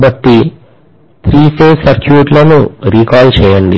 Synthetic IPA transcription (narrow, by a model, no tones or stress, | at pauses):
bɐʈːi | t̪ʰɾiːseːsɐɾkʰjuːʈlɐnuɾiːkaːlt͡ʃɛːjɐɳɖ̪ḭ